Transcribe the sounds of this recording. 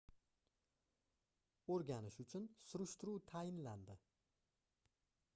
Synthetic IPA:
oɾɡʲanɪʃʊt͡ʃʰʊnsʊɾʊʃt̪ʊɾuːt̪ʰajɪnland̪ɪ

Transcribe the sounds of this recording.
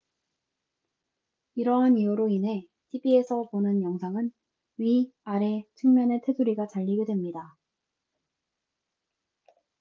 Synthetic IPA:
iɾʌɦaniuɾoinɦe̞ | tʰibie̞sʰʌponɯnjʌŋsʰaŋɯn | ɥiaɾe̞t͡ɕʰɯŋmjʌne̞tʰe̞sʰuɾiɡat͡ɕaʎːiɡedwe̞mɲida

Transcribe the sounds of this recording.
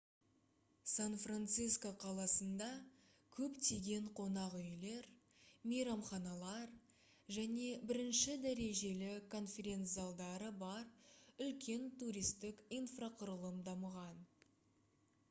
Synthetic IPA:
sanfrant̪siskoqʰɑlˠɑsənd̪ɑ | kʲʰɵpt̪ʰeɡʲe̞ɴqʰo̞nɑʁʏjle̞ɾ | mejɾɑmχɑnɑlˠɑɾ | ʒæne̞bɪɾɪnʃɪd̪æɾe̞ʒe̞lɪkʰo̞nfʲe̞ɾʲe̞nt̪sɨalˠd̪ɑɾəbɑɾʏlkʲe̞nt̪uɾʲijst̪ɪkinfraqʰʊɾəlˠəmd̪ɑməʁɑn

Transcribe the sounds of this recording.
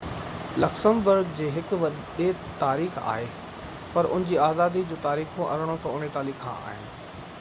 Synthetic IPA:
lɐksəmbʊɾɡd͡ʑeːɦɪkʊʋɐ | ɗe | t̪aːɾiːxa̰ːɦe | pɐɾʊ̰nɪ̃ɲd͡ʑiːaːzaːd̪id͡ʑõːt̪aːɾiːxõʔɐ̰ɾəɽ̃osɔ̃ʊneʈ̪aːliːkʰːã̰ːa̰ːɦɪnɪ̆

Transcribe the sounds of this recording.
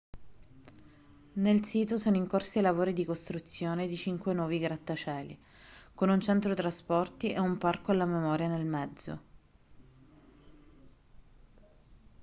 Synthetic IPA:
nelsiːt̪osoːnoiŋkorsielavoːɾid̪ikost̪ɾut̪sːjoːned̪it͡ʃiŋkwenwɔːviɡɾat̪ːat͡ʃɛːlḭ | konunt͡ʃɛnt̪ɾot̪ɾaspɔrt̪iʔeumparkoalːamemɔːɾjanelmɛd̪zːo̰

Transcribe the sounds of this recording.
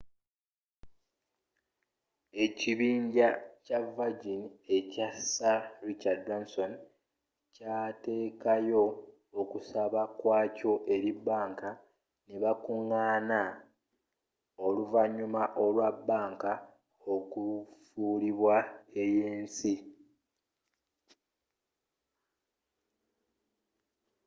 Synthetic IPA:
e̞ciβiːɲɟacavaɟinie̞casaɾit͡ʃadd͡ʒonso̞n | cate̞ːkajo̞ː | kusaβakwaːco̞ʔe̞ɾiβaːŋka | neβakuŋːaːna | o̞luvaɲumaʔo̞lwabːaːŋka | okufuːliβwae̞jeːnsi

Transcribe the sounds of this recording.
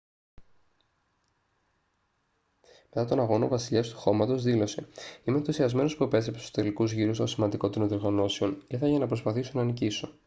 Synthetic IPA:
me̞t̪ɐt̪o̞nɐɣo̞no̞vɐsiʎɐst̪u̥xo̞mɐt̪o̞zðilo̞se̞imenθusiɐzme̞nospuepe̞s̬ɾepeso̥t̪e̞likuzʝiɾusosimɐnd̪iko̞t̪iɾonðioɾɣɐno̞seo̞niθɐʝɐnɐpɾo̞spɐθisonɐniciso̞

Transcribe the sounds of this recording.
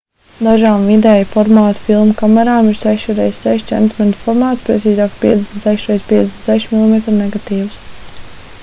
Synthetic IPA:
d̪aʒaːmvid̪ɛjfɔɾmaːt̪filˠmkamɛɾaːmiɾsɛʃuɾɛjzsʲsɛʃt͡ʃɛ̰nt̪mɛnfɔɾmaːt̪spɾet̪siːzaːkspʲḭɛesnt̪sɛʃɾɛjzpʲiɛesnt̪sɛʃmʲilˠimet̪ɾnɛɡat̪iːws

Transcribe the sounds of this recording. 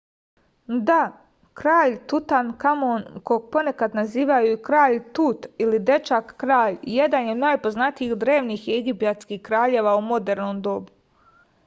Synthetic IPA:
d̪a | kɾaːʎt̪ut̪ankamonkoɡ̚po̞ne̞kad̪naziːʋajuikɾaːʎt̪uːt̪ilid̪e̞t͡ʃakːɾaːʎje̞d̪anjed̪naːjpo̞znat̪iixd̪ɾe̞ːʋniːxjeɡipjat̪skiːxkɾaːʎe̞ːʋaumo̞d̪e̞ɾnoːmd̪o̞bu

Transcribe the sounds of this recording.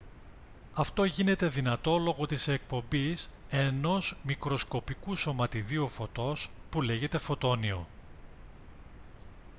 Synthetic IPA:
ɐft̪o̞ʝine̞t̪e̞ðinɐt̪o̞lo̞ɣo̞t̪isek̚po̞mbise̞no̞zmikɾo̞sko̞pikuso̞mɐt̪iðiofo̞t̪o̞spule̞ʝe̞t̪e̞fo̞t̪o̞nio̞

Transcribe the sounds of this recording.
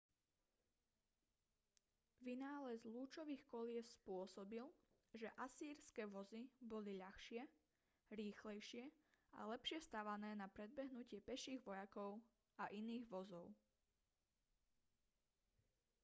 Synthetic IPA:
ʋinaːlɛzluːt͡ʃɔʋiːxkɔlɪɛspʊɔsɔbil | ʒɛʔasiːɾskɛːʋɔzibɔliʎaxʃɪɛ | ɾiːxlɛjʃɪɛa̰lɛpʃɪɛst̪aʋanɛːnapɾɛd̪̚bɛɦnucɪɛpɛʃiːɣʋɔjakɔʊ | aʔiniːɣʋɔzɔʊ

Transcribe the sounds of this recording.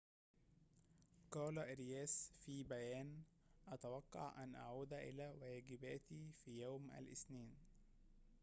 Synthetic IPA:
qɑːlaʔɾɪjæːsfiːbæjæːn | ʔɑt̪awɑqːɑ̰ʕʔænʔa̰ʕuːd̪æʔɪ̰læːwæːɡɪbæːt̪ifiːjawmʔæ̰lʔɪ̰sniːn

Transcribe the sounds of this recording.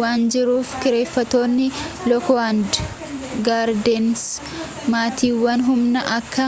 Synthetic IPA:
aːnd͡ʒɪɾuːfkɪɾe̞ːfːɐt̪o̞ːnːɪ | lɔkɔand̪ | ɡaːɾd̪ɛns | maːt̪iːwːɐnɦʊmnɐʔɐkːɐ

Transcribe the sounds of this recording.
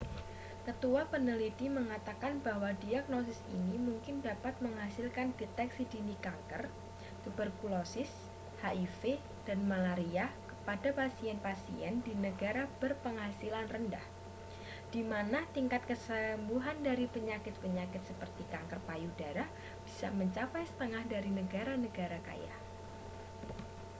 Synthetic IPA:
kət̪uapənəlit̪iməŋat̪akanbaɦwadiaɡ̚nosɪsḭnimuŋkɪndapat̪̚məŋɦasɪlkandet̪ɛksidinikaŋkər | kəbərkulosɪs | haʔife | d̥anmalaɾiakəpadapasiɛnpasḭɛndinəɡaɾabərpəŋɦasilanrəndah | d̥imanat̪iŋkat̪̚kəsəmbuɦandaɾipəɲakɪt̪̚pəɲakɪt̪̚səpərt̪ikaŋkərpajudaɾah | b̥i̥sa̰məɲt͡ʃapajsə̥t̪əŋahdaɾinəɡaɾanəɡaɾaka̰ja̰h

